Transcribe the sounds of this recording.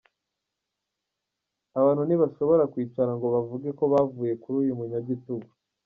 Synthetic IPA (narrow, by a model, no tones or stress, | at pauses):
aβaːnhuniβaʃo̞βo̞ɾakwiːt͡ʃaɾaŋɡo̞βavuɡe̞ko̞βavuːje̞kuɾuːjumuɲaɟituɡu